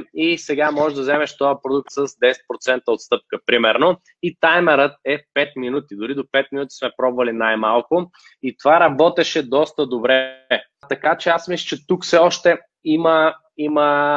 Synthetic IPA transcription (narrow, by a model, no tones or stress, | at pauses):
isɛɡamɔʒɛd̪ɐzɛmɛʃt̪ɔjəpɾod̪uk̚t̪səzd̪ɛsɛ̥t̪̚pɾot̪sɛnt̪əot̪st̪ɤp̚kəpɾimɛɾno | it̪ajmɛɾət̪̚ɛpɛt̪minut̪id̪ʊɾid̪opɛt̪̚mʲinut̪i̥smɛpɾɔbvɐlinajmalˠkʊ | it̪ovaɾɐbɔt̪ɛʃɛd̪ɔst̪əd̪obɾɛ | t̪ɐkat͡ʃɛasmislət͡ʃɛt̪ukfsɛɔʃt̪ɛ | imə | imə